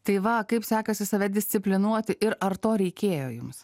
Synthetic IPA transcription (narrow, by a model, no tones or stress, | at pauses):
t̪ɐɪʋɐkɐɪpsʲæːkɐsʲɪsɐʋʲɛd̪ʲɪsʲt̪sʲɪpʲlʲɪnuɔt̪ʲɪʔɪɾʔɐɾt̪oːɾʲɛɪkʲeːjoːjʊms